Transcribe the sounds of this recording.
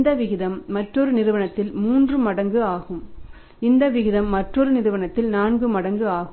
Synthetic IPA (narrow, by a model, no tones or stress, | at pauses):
nd̪ɐʋɪɣɪðɐmːɐʈrɔɾɯnɪɾɯʋɐɳɐt̪ːɪlmuːndrɯmɐɽɐŋɡɯaːɣɯm | ɪnd̪ɐʋɪɣɪðɐmːɐʈrɔɾɯnɪɾɯʋɐɳɐt̪ːɪlnaːnɡɯmɐɽɐŋɡɯaːɣɯm